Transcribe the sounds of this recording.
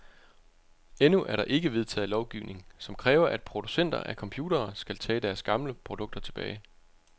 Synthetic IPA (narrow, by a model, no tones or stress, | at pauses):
enuʔæɐɾɑ̈ʔe̝ɡ̥əʋe̝ð̞ˠt͡sʰɛ̰ːð̩ˠlɒʊɡ̥iʊne̝ŋsɒ̽mkʰʁɛːʊɐʔæd̥̚pʰʁo̝d̥usen̰d̥ɐ̰ʔækʰɒ̽mpʰjuːdɐːsɡ̥ælt͡sʰɛ̰ːd̥æɐsɡ̥ɑ̈mləpʰʁod̥ɔ̽ɡ̥̚d̥ɐt͡sʰe̝b̥ɛ̰ːɪ